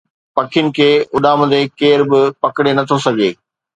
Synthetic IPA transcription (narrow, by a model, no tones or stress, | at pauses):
pɐkʰjʊnɪ̆kʰeːʊɗaːməd̪ekeːɾbɪpɐkɪɽenɐt̪ʰosɐɡʱeː